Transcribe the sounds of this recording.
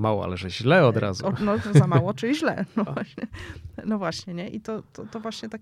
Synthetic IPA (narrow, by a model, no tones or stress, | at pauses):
mawɔ̰a̰lɛʐɛʑlɛɔd̪ɾa̰zuɔnɔzamawɔt͡ʂɨʑlɛ̰nɔvwaɕɲɛnɔvwaɕɲɛɲɛʔit̪ɔt̪ɔt̪ɔvwaɕɲɛt̪ak